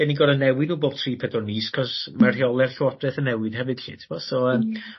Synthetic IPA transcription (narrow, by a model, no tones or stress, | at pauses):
ɛniɡɔdənːɛwɪnuːboːb̥̚tʰriːpʰɛdɔniːskʰɔsmarhiɔlˠɛrɬwɔdrɛθənɛwɪd̥hɛvɨd̥ɬḭːtʰɪbɔsɔəːm